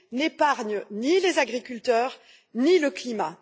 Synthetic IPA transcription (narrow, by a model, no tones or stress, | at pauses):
nepaʁɲnilezaɡʁikʲylt̪œːʁ | niləklima̰